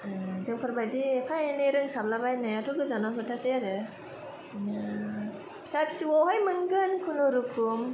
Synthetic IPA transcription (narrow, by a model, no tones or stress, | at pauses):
zɯŋpʰɯɾbajdipʰajnɯɾɯŋsablabajnɯjatʰuɡɯzanamʰɯtʰasejaɾɯ | nɯ | sapʰsiwɔɦajmɯnɡɯnkʰunɔɾukʰum